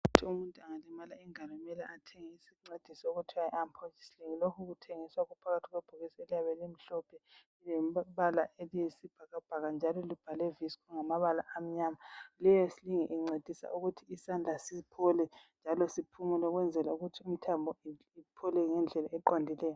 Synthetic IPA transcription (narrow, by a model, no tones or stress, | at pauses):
uutʰiumuntʼuaŋalimalaiŋalɔmɛla̰atʰeŋisiŋ͡ǀed̥ʱisɔoɣutʰiwaiampʰɔt͡ʃi̥siliŋilokʰuɣutʰeŋiswaɣupʰaɣatʰiɣweb̥ʱuɣisielijaβɛlem̩ɬɔpʰɛ | lɛmβalaʔeliesib̥ʱaɣab̥ʱaɣand͡ʒʱalɔlib̥ʱalɛviskʰuŋamaβala̰ʔːm̩ɲaːmalɛjɔsiliŋiʔɛŋ͡ǀed̥ʱisa̰ʔuɣutʰiisand͡ɮʱasipʰɔlɛnd͡ʒʱalɔsipʰumulɔɣwɛnd͡zʱɛlauɣutʰium̩tʰambʱɔ | ipʰɔlɛŋɛnd͡ɮʱɛlaɛǃondʱilɛːjɔ